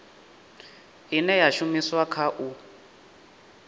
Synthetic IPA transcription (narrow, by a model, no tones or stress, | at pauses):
ɦinɛjaʃumiswakʰaʔu